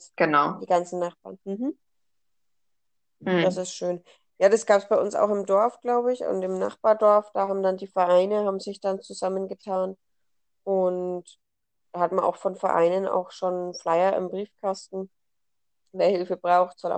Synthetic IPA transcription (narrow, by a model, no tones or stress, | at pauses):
ɡ̥ənaʊd̥iːɡant͡sn̩naχb̥a̰ːɐnm̩ɦm̩ | d̥as̬ɪstʃøːn | jaːdasɡ̥aːpsb̥aɪʔʊnsa̰ʊxɪmdɔɐfɡ̥laʊbəɪçʊ̰ntɪmna̰χb̥aːɐdɔɐfd̥aːhabm̩dandiːfɛɐʔaɪnəhaːbmzɪçd̥ant͡suzamənɡətʰaːn | ʔʊnt | d̥aːhatmanʔa̰ʊxfɔnfɛɐʔa̰ɪnənʔa̰ʊxʃonflaɪɐʔɪ̰mbʁiːfkʰastn̩ | deːɐhɪlfəb̥ʁaʊxtz̥ɔlʔa̰